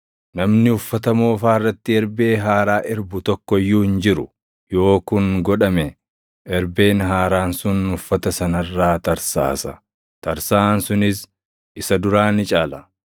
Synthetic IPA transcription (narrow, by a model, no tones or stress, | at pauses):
nɐmnɪhʊfːɐt̪ɐmo̞ːfaːɪrːɐt̪ːɪɛɾbe̞ːɦaːɾaːʔɪɾbʊt̪ɔkːɔjːuːhɪnd͡ʒɪɾʊ | jo̞ːkʊŋɡɔᶑɐmɛ | ʔɛɾbe̞ːnɦaːɾaːnsʊnhʊfːɐt̪ɐsɐnɐrːaːt̪ɐɾsa̰ːsɐ | t̪ɐɾsaːnsʊnɪs | ɪsɐd̪ʊɾaːnɪt͡ʃʼaːlɐ